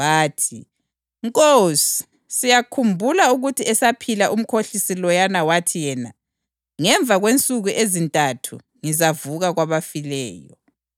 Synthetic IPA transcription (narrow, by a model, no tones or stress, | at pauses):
βaːtʰi | ŋkʼosi̥ | sijakʰumbʱulauɣutʰiɛsapʰilaʔum̩kʰoɬisilɔjanawatʰijɛna | ŋɛɱb̪vʱaɣwent͡sʼuɣuʔezintʼatʰṵ | ŋizavuɣaɣwaβafilɛ̰ːjɔ̰